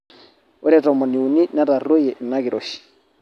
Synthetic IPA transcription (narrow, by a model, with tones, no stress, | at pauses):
ʊ˦ɾɛ˦rɔ˨mɔ˨ni˨u˨ni˦nɛ˦ɾa˨ro˦jɛ˨na˦ki˨ɾo˦ʃi̥